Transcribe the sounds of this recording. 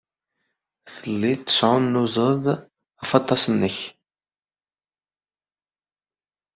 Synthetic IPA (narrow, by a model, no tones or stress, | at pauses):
θəlːit̪ːə̥sʕʊmnuzˤəðˤ | ɑfɑt̪ˤːɑsənːəç